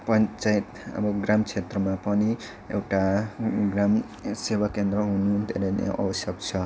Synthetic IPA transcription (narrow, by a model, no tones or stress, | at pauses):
pʌnt͡sajit̪ʌ̰bʌɡramkʰet̪rʌmapʌni | ḛwʈaɡram | sewakend̪ɾʌɦunud̪ʱḛɾenḛʔʌ̰bʌsjʌkt͡sʰʌ